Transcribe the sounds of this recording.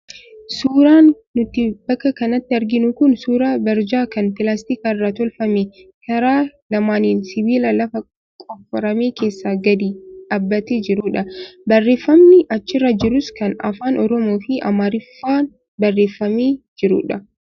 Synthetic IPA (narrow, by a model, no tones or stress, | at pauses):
suːɾaːnː | ʊt̪ːɪb̥ɐkːɐkɐnɐt̪ːɪɐɾɡɪnʊkʊnsuːɾaːbɐɾd͡ʒaːkɐnpɪlaːst̪iːkaːɪrːaːt̪ɔlfɐmekɐɾaːlɐmaːniːnsɪbiːlɐlɐfɐ | kʼɔfːɔɾɐmeːke̞ːsːaːɡɐd̪iːᶑaːbːɐt̪ed͡ʒɪɾʊᶑɐbɐrːe̞ːfːɐmnɪʔɐt͡ʃːɪrːɐd͡ʒɪɾʊskɐnɐ̰faːnʔɔɾɔmoːfɪʔɐ̰maːɾɪfːaːn | bɐrːe̞ːfːɐmeːd͡ʒɪɾʊ̰ᶑɐ